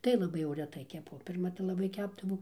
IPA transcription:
tɐɪ lˠɐˈbɐɪ jɛʊ rʲɛˈtɐɪ kʲɛˈpʊ pʲɪrˈmɐ tɐɪ lˠɐˈbɐɪ ˈkʲæbdɐʋɐʊ

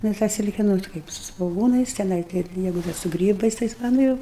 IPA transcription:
ˈnʊ tɑː ˈsʲɪlʲkʲɛ ˈnʊ tɐ ˈkɐɪp sʊ sʋoːˈɡuːnɐɪs tʲɛˈnɐɪ ˈkɐɪp ˈjɛɪɡʊ ˈdɐr sʊ ˈɡrʲiːbɐɪs ˈtɐɪs ʋɐ ˈnʊ ɪr

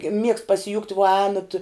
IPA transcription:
mʲiɛkst pɐsʲɪˈjʊkt ʋuɔ ˈɛːnɐt

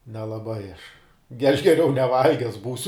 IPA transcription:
nʲɛlˠɐˈbɐɪ ɐʃ ɡʲɛ ɐʃ ɡʲɛˈrʲɛʊ nʲɛˈʋɐlʲɡʲɛs ˈbuːsʲʊ

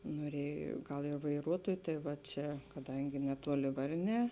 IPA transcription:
noːˈrʲiɛj ˈɡɐlˠ ɪr ʋɐɪˈruɔtuɔj tɐɪ ʋɐ ˈt͡ʃʲɛ kɐˈdɐŋʲɡʲɪ nʲɛˈtuɔlʲɪ ˈʋɐrʲˌnʲɛː

